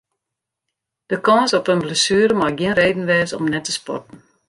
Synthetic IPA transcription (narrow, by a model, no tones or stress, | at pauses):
d̥əkɑnsɔpənbləsyːɾəmɑɡiənrejdən̩ʋɛːsɔ̰mnɛtːəspɔ̰tən̩